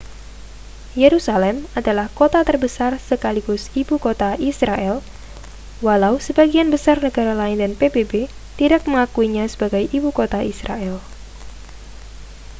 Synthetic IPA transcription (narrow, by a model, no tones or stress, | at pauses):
jeɾusalɛmadalahkot̪at̪ərbəsarsəkaliɡʊsibukot̪aisɾaʔɛl | walausəbaɡianbəsarnəɡaɾalaɪndanpebebe | t̪iɾak̚məŋakuiɲasəbaɡajʔibukot̪aisɾa̰ɛl